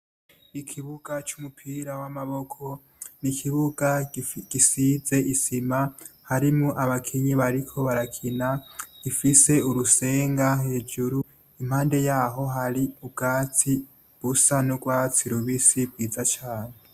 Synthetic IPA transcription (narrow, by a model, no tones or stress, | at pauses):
ikʰiβuɡ̥at͡ʃumupʰiːɾawamaβo̞kʰo̞ | nikʰiβuɡaɡ̥isize̞ʔisima | haɾimuʔaβakʰiɲiβaɾikʰo̞βaɾakʰinaɡ̥ifise̞uɾuse̞ːŋɡaɦe̞ːd͡ʒuɾu | im̥haːnde̞jaːɦo̞ɦaɾiub̚ɡaːt͡sʰi | ɡ̥usanuɡwaːt͡siɾuβisibwiːzat͡ʃaːne